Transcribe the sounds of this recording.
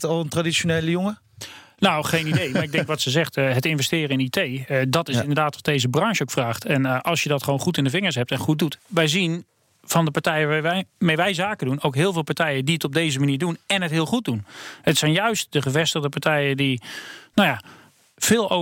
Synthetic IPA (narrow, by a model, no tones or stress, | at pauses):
tɔlˠəntradit͡ʃoneːləjʊŋə | nawχejnimdejmaɹɪɡ̚dɛŋkʋɔtsəzɛχtɦətɪnvɛstɪːrəɪnitʰejdɔtɪssɪndəɹdaːtʋɔt̚dejzəbrɑŋʃowkfraːχtʰɛnʔɑlˠsjədɔtχəʋownχutɪndəvɪŋəɹs̬ɦɛp̚tɛnχut̚dutʋɛjzin | v̥ɔndəpaɹtɛjəmejʋɛjzaːkədunowkɦɪːlˠvɪːlˠpaɹtɛjədiətɔb̚dejzəmaniːɹdunɛnɦətɦɪːlˠχut̚dunətsɛjnjœɥst̚dəχəvɛstəɣdəpaɹtɛjədinawja | v̥ɪːlˠo